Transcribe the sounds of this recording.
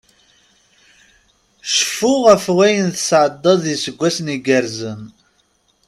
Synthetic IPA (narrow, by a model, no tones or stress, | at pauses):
ʃə̥fʊʁəfwæjənθəsʕəd̪ˤːɑðisəɡʷːæsniɡəɾzən